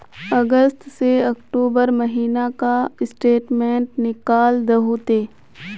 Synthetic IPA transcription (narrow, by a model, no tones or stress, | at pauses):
ɐɡəst̪seɐkʈuːbəɾmɐɦiːnakaɪsʈeːʈmẽːɳʈnɪkaːld̪ɐɦut̪eː